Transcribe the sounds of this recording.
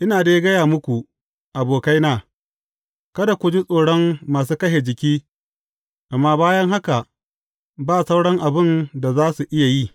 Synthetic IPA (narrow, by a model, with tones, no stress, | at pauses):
ʔɪ˦naː˨deː˦ɡɐ˦jaː˨mʊ˦kʷu˨ | ʔa˨boː˨ka˦jnaː˦˨ | kɐ˦da˨kʷu˨d͡ʒi˦sʼoː˨ɽɔ˦mːaː˨s̬uː˦kɐ˦ʃe˨d͡ʒɪ˨kʲiː˦ | ʔa˨mːaː˦baː˦jɐ˦ŋɦa˦ka˨ | baː˦˨sa˦wɽɔ˦ŋʔa˨bɪ˦nda˨zaː˦su˨ʔɪ˦ja˨ji˦˨